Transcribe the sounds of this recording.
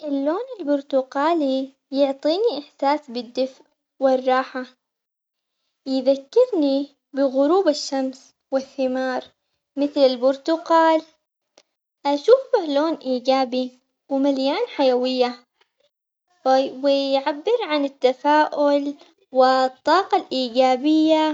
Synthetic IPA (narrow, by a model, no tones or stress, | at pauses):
ʔɪlːoːnɪlbʊɾt̪ʊqɑːli | jʊʕt̪ˤiːniʔɪħsaːsbɪd̪ːɪfʕ | wɪrˤːɑːħa | jɪðakːɪɾni | bɪɣʊɾuːbɪʃːams | wɪθːɪmɑːɾˤ | mɪθlɪlbʊɾt̪ʊqɑːl | ʔaʃuːfhloːnʔiːɡaːbi | wɪmaljaːnħajawɪjːa | wɪjʕabːɪɾʕanɪt̪ːafaːʔʊl | wɪt̪ˤːɑːqɑlʔiːɡaːbɪjːa